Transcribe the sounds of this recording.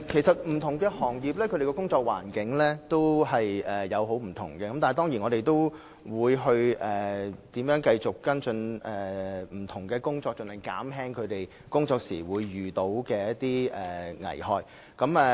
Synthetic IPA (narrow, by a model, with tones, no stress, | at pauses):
kʰe˨˩jsɐ˨t̚m̩˨˩t̪ʰʊ˨˩ŋkɛː˧hɔː˨˩ŋjiː˨p̚lɛː˥kʰɵ˧ɾe˨˩kɔː˧kʊ˥ŋt͡sɔː˧k̚wa̰ː˨˩nkɪ˨˥ŋlɛː˥t̪o˥whɐ˨jɛː˨˩ɐ˨˧wɦo˨˥wm̩˨˩t̪ʰʊ̰˨˩ŋkɛː˧kɐ˨mt̪aː˨n˨jt̪ɔː˥ŋjiː˨˩nɔː˨˧ɾe˨jt̪o˥w | wuː˨˧jɦɵ˧ɥʔɛː˨˩t̪iː˨˥mjœː˨˥ŋkɐ˧jt͡sʊ˨kkɐ˥nsɵ˧nɛː˨˩m̩˨˩t̪ʰʊ˨˩ŋkɛː˧kʊ˥ŋt͡ʃɔː˧k̚t͡ʃnhɐ˨˩ŋka̰ː˨˥mɦɛː˥ŋkʰɵ˨˧ɥt̪e˨j | kʊ˥ŋt͡sɔː˧k̚sḭː˨˩wuː˨˧jːyː˨t̪o˨˥wkɛː˧jɐ˥t̚t̪iː˥ɛː˨˩ŋɐ̰˨˩jhɔː˨˧j | kɐ˨˧˥mɛ˨